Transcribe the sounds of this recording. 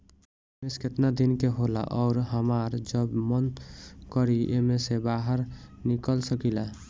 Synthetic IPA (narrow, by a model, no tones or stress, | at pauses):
mesket̪nad̪inkeɦola̰ʔɔʊɾɦəmaɾd͡ʒəbmənkəɾiʔḛmesebaɦəɾ | nikəlsəkila